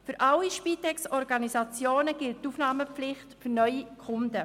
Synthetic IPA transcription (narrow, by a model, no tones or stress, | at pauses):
fyɾʔɑwiʃpiːtɛksɔɾɡɑnisɑt͡sjoːnəɡ̥ɪlttufnɑːməp͡flɪχtfyɾnœʏikʰʊndə